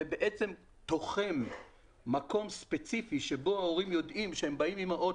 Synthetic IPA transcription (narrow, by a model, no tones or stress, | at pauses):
ebeʔet͡se̞m | t̪o̞χe̞mː | ako̞mspet͡sifiʃebo̞aoʁimjo̞d̪ʔimʃehembaimimaʔo